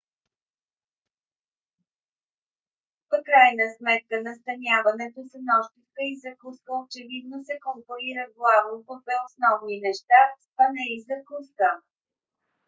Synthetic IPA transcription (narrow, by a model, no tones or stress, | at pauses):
pkɾajnəsmɛt̪̚kənɐst̪ɐnʲjavɐnɛt̪osənɔʃt̪ifkəizɐkuskəot͡ʃɛvid̪nosɛkompoiɾəɡlˠavnopofɛosnɔvninɛʃt̪asɐnɛizɐkuskə